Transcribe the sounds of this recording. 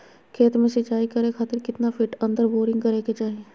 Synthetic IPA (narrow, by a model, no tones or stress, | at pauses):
kʰeːt̪mẽsɪt͡ʃaːikɐɾekʰaːt̪ɪɾkɪt̪nafʰɪʈɐ̃nd̪əɾboːɾɪ̃ŋɡkɐɾeket͡ʃaːɦie